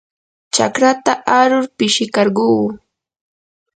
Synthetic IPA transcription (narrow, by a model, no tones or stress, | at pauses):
t͡ʃa̰kɾat̪aʔaɾʊɾpɪʃɪkɑɾɢuː